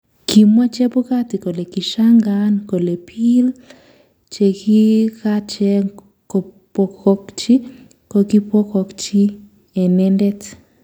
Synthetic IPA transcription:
ki˨mwa˦t͡ʃɛ˦bu˦ka˦ti˨ko˨lɛ˨ki˨ʃa˦ŋɡanko˨le˨pʰi˦l | t͡ʃɛ˨ki˦ka˦t͡ʃɛ˦ | kɔ˨pɔ˨kɔ˦kt͡ʃi˦ | ko˨ki˦pɔ˦kɔ˨kt͡ʃi˦ | ɛ˨nɛ˦ndɛ˦t

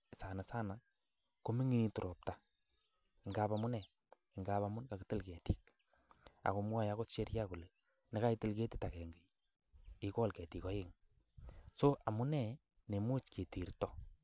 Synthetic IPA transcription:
sa˨na˨sa˦na˨ | ko˨˦mi˦ŋi˦ni˦tu˨ɾʔo˨p̚ta˨ | ŋɡa˦pa˨mʊ˦nɛ˨ | ɪ˨ŋɡa˨pa˦mʊ˦nka˨kɪ˨tɪ˦lkɛ˨ti˦k̚ | a̰˨ko˨mwa˦˨ja˦ko˦tt͡ʃe˦ɾja˦ko˨le˨ | ne˦ka˦i˦tɪ˦lke˦ti̥˦ta˨kɛ˨ŋɡe˨j | i˦kɔ˦lkɛ˨ti˨kɔ˨˦ɪ˦ŋ | so˦ʔa˨mʊ˦nɛ˦ | ne˨mu˦t͡ʃke˨ti˨ɾtɔ˦

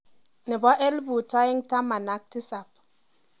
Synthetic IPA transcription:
ni˨bɔ˦ʔe˦lbu˨tɔ˦i˦ŋta˦ma˨na˨˦k̚ti˦sa˨p̚

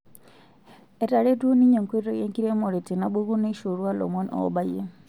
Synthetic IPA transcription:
e˨ta˨ɾe˦do˦ni˦ɲo˨ŋkwe˦ɾo˦je˦ŋki˦ɾe˦mo˨ɾe˨ti˨na˦bu˦ɣu˦ne˦ʃo˨ɾwa˦lo̰˨mo˦nɔ̰ba˦je˦

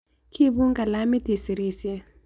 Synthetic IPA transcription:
kʰi˦bu˦ŋɡa˨la˦mi˦ti˨si˨ɾi˦sɛ˦

